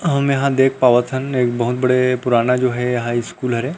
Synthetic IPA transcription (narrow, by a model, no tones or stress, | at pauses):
ɦɐmjɐɦãd̪eːk̚ʰpaːʋət̪ʰəneːkbɐɦʊt̪̚bɐɽepʊɾaːnad͡ʒoːɦɛjɐɦãiskuːlɦɐɾe